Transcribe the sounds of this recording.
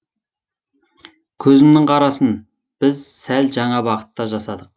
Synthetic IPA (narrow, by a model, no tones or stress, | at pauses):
kʲʰɵzɪmnɪŋqʰɑɾɑsən | b̥ɪzsælʒɑɴɑbɑqə̥t̪ːɑʒɑsɑd̪əq̚